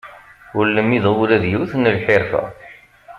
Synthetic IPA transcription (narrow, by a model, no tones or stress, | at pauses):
ʊlːəmiðˤwɾæðjuwθnːəlħeɾfæ̰